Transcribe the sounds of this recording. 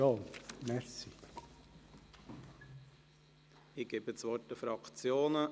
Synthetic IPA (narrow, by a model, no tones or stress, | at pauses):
oːmɛɾsi | ɪɡ̥ebət͡sʋɔtdəfɾɑkt͡sjoːnə